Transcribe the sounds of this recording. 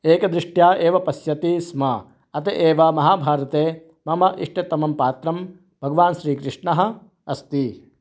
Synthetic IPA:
eːkɐd̪ɾɪʂʈjaːʔeːʋɐpɐsjɐt̪ismɐ | ɐt̪eʔeːʋɐmɐɦaːbʱaːɾɐt̪eː | mɐmɐʔiʂʈet̪ɐmɐmpaːt̪ɾɐm | b̥ʱɐɡɐʋaːnʃɾiːkɾɪʂɳɐɦɐ̆ | ɐst̪i

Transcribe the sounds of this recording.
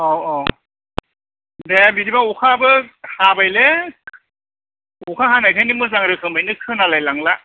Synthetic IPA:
ɔɔ | debiɾibaukʰabɯhabajle | ukʰaɦanajkʰajnimɯzaŋɾɯkʰɯŋbajnɯkʰɯnalajlaŋla

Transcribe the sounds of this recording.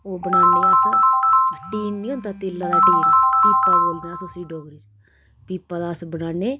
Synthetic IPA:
oːbənaːneast̪aʈiːnnĩːont̪aːt̪eːlːaːd̪aːʈiːnpiːpːaːboːlneaːsʊsiːɖoːɡɾiːd͡ʒ | piːpːaːd̪aːsbənaːneː

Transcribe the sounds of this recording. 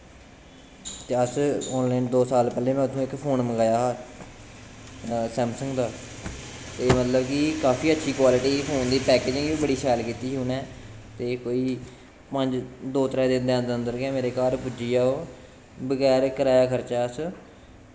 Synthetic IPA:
t̪eːəsɔːnlaːɪːnd̪oːsaːlpɛːleːmɛ̃ːʊt̪ʰːũːɪkpʰoːnməɡaːjaːɦaː | sɛ̃ːmsə̃ŋɡd̪aː | t̪eːmət̪ləbkɪkaːpiːətːʃʰiːkwaːlɪʈiːpʰoːnd̪iːpɛːkeːd͡ʒɪ̃ŋɡibəɽiːsaːlkiːt̪iːɦuːnɛː | t̪eːkoːiː | pəɲd͡ʒd̪oːt̪əɾɛ̃ːd̪ɪnd̪eːənd̪əənd̪əɾkɛːmeːɾeːkaːɾpʊd͡ʒiːaːoː | bəɡɛːɾkəɾaːjaːkʰəɾt͡ʃaːəs

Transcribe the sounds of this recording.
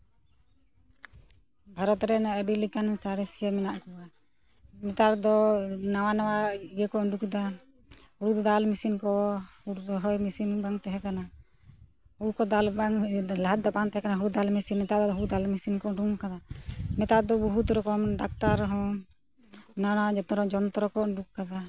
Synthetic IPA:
bʱaɾɔt̪ɾɛnaəbilikansaɾɛsijamɛnaʔkua | mɛt̪aɾd̪ɔnawanawaiɡəkɔɔɳɖukid̪a | huɾud̪ɔd̪almisinkɔhuɾɾɔɦɔjmisinbaŋt̪ɛɦɛkana | huɾkɔd̪albaŋlaɦat̪̚d̪ɔbaŋt̪ɛɦɛkanaɦuɾud̪almisinɛt̪ad̪ɔd̪ɦuɾd̪almisinkɔɳɖuŋkad̪amɛt̪aɾd̪ɔbuɦut̪ɾɔkɔmɖak̚t̪aɾɦɔ̃ | nawanawad͡ʒɔt̪ɔɾɔd͡ʒɔnt̪ɔɾɔkɔɳɖukkad̪a

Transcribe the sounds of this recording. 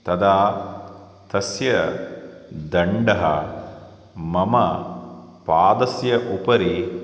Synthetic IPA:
t̪ɐd̪aː | t̪ɐsjɐ | d̪ɐɳɖɐɦɐ̰ | mɐmɐ | paːd̪ɐsjɐʔupɐɾi

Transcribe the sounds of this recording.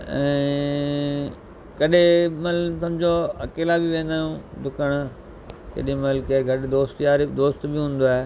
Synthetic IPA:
ɛ̰̃ː | kɐɗẽmɐlsɐ̃md͡ʑoɐkeːlabiʋẽːnd̪aːjũːd̪ʊkəɽ̃ | kḛːɗĩmɐlkeɡʱɐɗɪd̪oːst̪jaːɾid̪oːst̪bɪɦũːn̆d̪oaːɦe

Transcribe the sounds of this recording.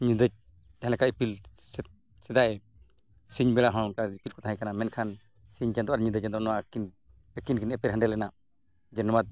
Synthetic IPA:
ɲid̪əd͡ʒ̚ | ãlɛkaipilsɛ | sɛd̪aʔɛ | siɲbɛlaɦɔ̃kaipilkɔt̪aɦãjkanamɛnkʰan | siɲd͡ʒand̪ɔʔaɾɲid̪əd͡ʒad̪ɔnɔwakin | əkinkinɛpɛɾɦãɳɖɛlːɛna | d͡ʒɛnɔmat̪̚

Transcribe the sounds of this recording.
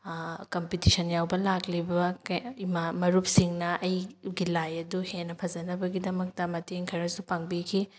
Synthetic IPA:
kɐmpitisɐnjawbɐlaklibɐkimamɐɾup̚siŋnɐʔɐjɡilajɐduhenːɐpʰɐzɐnɐbɐɡidɐmɐk̚tɐmɐteŋkʰɐɾɐsupaŋbikʰi

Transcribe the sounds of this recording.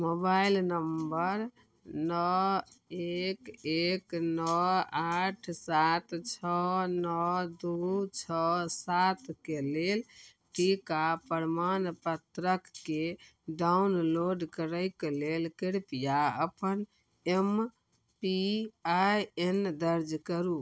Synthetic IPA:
mobailnəmbəɾ | nɔ | ekeknɔaʈʰsat̪t͡ʃʰɔnɔd̪ut͡ʃʰɔsat̪kelel | ʈikapəɾmanpət̪ɾəkːeɖaunloɖkəɾəjkelelkiɽpijaəpən | em | piajend̪əɾd͡ʒkəɾu

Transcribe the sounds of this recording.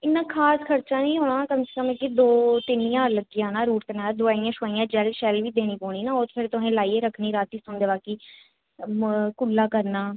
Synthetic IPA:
ɪnːãːkʰaːskʰəɾt͡ʃãːnĩːɦoːɽ̃ãːkəmsəkəmẽːkɪd̪oːt̪ɪnːijãːləɡijãːnaːɾuːʈt̪ənaːd̪ʊaːijãːʃʋaːijãːd͡ʒɛlʃɛːlʋiːd̪eːñiːpoːɽ̃iːnaːoːt̪pʰɪɾt̪ʊɦẽːlaːiːeːɾəkʰniːɾaːt̪iːsʊnd̪eːbaːkiː | kʊlːaːkəɾnaː

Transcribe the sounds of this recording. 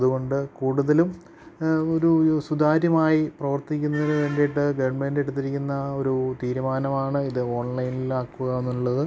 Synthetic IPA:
ɐðuɣo̞ɳɖɨkuːɽuðɐlum | o̞ɾusud̪ʱaːɾjɐmaːjiprɐʋɐrt̪ikʲːunːɐðinɨʋe̞ːɳɖejʈːɨɡɐʋɐrɳmeːndeɽut̪ːiɾikʲːunːɐo̞ɾut̪iːɾumaːnɐmaːɳɨiðɨo̞ːɳlɐjnilaːkːuɣɐenːuɭːɐðɨ

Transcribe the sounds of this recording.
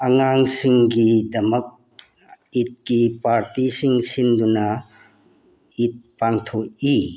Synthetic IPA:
ɐŋaŋsiŋɡidɐmɐk̚ | it̚kipaɾtisiŋsinduna | it̚paŋt̪ʰɔʔi

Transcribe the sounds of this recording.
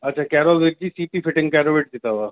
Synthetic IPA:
ɐtːʃʰakɛːɾɔːlʋɪʈ̚d͡ʒiːsiːpifʰɪʈɪ̃ŋɡkɛːɾoʋeːʈd̪ɪt̪aɦuaː

